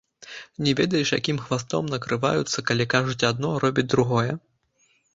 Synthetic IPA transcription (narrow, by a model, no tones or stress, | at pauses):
nʲɛvʲɛd̪ɐjɛʂja̰kʲimxvast̪ɔ̰mnɐkɾɨva̰jut̪sːɐkalʲikaʐut͡sʲad̪̚nɔɾɔbʲid͡zʲd̪ɾuɣɔjɛ